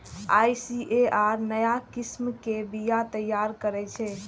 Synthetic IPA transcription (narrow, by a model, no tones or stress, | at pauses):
a̰jsiʔeʔaɾnəjakismkebijat̪əjːaɾkəɾɛt͡ʃʰɛ